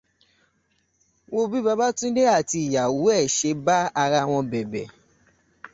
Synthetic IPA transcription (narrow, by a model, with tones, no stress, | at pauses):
wo˧bi˦ba˧ba˦tũ˦de˦a˦˨ti˧i˨ja˨wu˨˦ɛ˦˨ʃe˨˧˦ba˦a˧ɾa˧w̃ɔ̃˧bɛ˨bɛ̰˨